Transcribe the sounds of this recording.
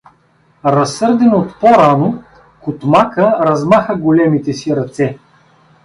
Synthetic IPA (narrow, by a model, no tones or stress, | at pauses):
ɾɐsːɤɾd̪ɛnot̪poɾano | kʊt̪makəɾɐzmaxəɡolɛmit̪ɛsiɾɐt̪sɛ